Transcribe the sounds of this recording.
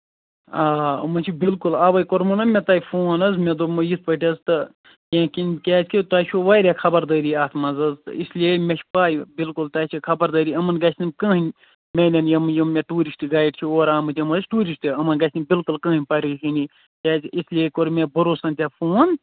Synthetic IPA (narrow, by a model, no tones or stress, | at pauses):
aːɐ̰mɐt͡ʃʰibilkulaːʋɐjkoɾmɐnɐmʲet̪aːjfʰoːnɐzmed̪omɐjit̪̚ʰpəʈʲɐzt̪ɨ | jẽːkinkʲaːt͡sʰʲkʰʲit̪aːt͡ʃʰuʋaːjɾʲakʰɐbɐɾd̪əːɾiːaːt̪ʰmɐzɐzt̪ɨ̰islijemʲet͡ʃʰipaːjbilkult̪ɐːt͡ʃʰikʰɐbɐɾd̪ɐːɾiːɐmɐnɡɐt͡ʃʰʲnimʲkə̃ːɦinʲ | mʲelʲɐnjɐmɨjɐmːeʈuːɾisʈiɡaːjɖt͡ʃʰioːɾaːmɨt̪ʰʲiɐmɐsʲʈuːɾisʈiɐmɐnɡɐt͡ʃʰʲnibilkulkɐ̃ːinʲpɐɾʲikʰini | kʲaːt͡ʃʲʰislijekoɾmebɐɾoːsɐnt̪ʲaːfʰoːn